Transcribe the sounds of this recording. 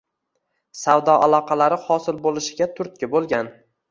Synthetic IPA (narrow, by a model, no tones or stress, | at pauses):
sawd̪ɒʔalˠɒqʰɑlaɾɪhɒsɪlbolɪʃɪɡʲat̪ʰʊɾt̪̚kʲabolˠɡʲan